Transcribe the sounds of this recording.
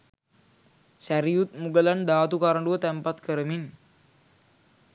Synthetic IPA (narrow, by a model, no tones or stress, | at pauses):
sæɾijut̪̚muɡəland̪aːt̪ukaɾəɳɖuʋət̪æmpat̪kʰəɾəmin